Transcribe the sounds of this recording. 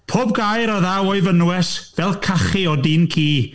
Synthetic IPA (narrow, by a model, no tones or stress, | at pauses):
pʰoːb̚ɡajɾɔðawoɨvənwɛsvɛlˠkʰaχiɔdinkʰiː